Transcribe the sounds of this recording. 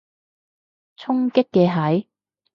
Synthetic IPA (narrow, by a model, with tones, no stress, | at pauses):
t͡sʰʊ˥ŋkɪ˥kːɛː˧ɦɐ˨˥j